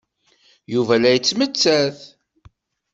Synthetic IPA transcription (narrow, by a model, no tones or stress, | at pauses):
juvælæjət͡sːmət͡sːæθ